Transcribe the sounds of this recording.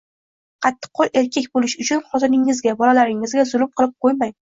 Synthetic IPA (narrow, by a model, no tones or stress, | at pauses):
qʰɑt̪ʰːɨ̥qʰːɒle̞ɾkʲekʲbolɪʃʊt͡ʃʰʊnχɒt̪ɪnɪŋːɪzɡʲabɒlalaɾɪŋɪzɡʲazʊlˠʊmqʰɨlˠɪp̚qʰojmaj